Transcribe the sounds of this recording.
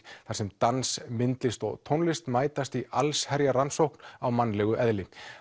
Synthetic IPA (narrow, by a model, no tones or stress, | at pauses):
θaɾ̥sɛmt̪ansmɪnt̪lɪst̪ɔ̰ɣt̪ʰownlɪst̪maːjt̪ast̪ialshɛɾjaɾansowhknawmanːlɛɣʏʔɛðlɪ